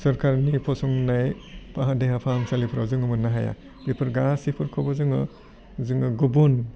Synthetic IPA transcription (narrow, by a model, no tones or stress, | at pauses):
sɐɾkʰaɾnipʰɔsɔŋnaj | pʰaɦadeɦapʰamsalipʰɾazɯŋɯmɯnːaɦaja̰ | b̥ipʰɯɾɡasipʰɯɾkʰɔbɔzɯŋɯ | zɯŋɯɡubun